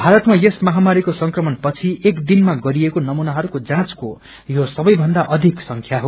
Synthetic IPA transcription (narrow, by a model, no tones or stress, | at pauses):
bʱaɾʌt̪majesmʌɦamaɾikosʌŋkrʌmʌnpʌt͡sʰiekd̪inmaɡʌɾiekonʌmunaɦʌɾukod͡zãt͡sko | josʌbʌjbʱʌnd̪aʔʌd̪ʱiksʌŋkʰjaɦo